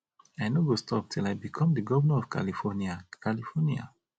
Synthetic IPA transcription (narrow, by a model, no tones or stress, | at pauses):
aɪnoɡostʰɔp̚tʰilaɪbikʰɔ̃mdəɡɔvənaɔv̥kʰa̰lifɔniakʰalifɔnia̰